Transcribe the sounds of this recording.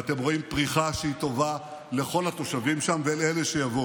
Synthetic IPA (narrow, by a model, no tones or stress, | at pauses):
at̪e̞mʁo̞impʁiχaʃeit̪o̞va | le̞χo̞lhat̪o̞ʃavimʃamveelele̞ʃejavo